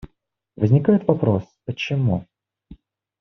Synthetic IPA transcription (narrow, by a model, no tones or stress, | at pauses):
vəzʲnʲɪkajɪt̪vɐpɾospət͡ɕɪmu